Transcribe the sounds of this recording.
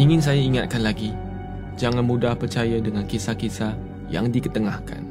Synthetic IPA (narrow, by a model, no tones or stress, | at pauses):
iŋɪ̃ns̬ajaiŋat̪̚kanlaɡi | d͡ʒaŋãnmũdahpərt͡ʃajadəŋãnkesakesa | ja̰ŋdikət̪əŋahka̰n